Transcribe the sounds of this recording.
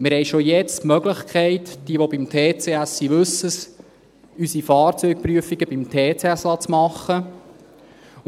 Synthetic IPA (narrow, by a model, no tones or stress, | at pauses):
mɪɾhɛɪʃojɛt͡stmœɡləχkʰχɛɪtd̥iəʋobimt̪ʰeːt͡seːæsːiʋɵsːəs | ysifɑːɾt͡sœjk̚pɾyəfiɡəbimt̪ʰeːt͡seæslɑt͡smɑχːə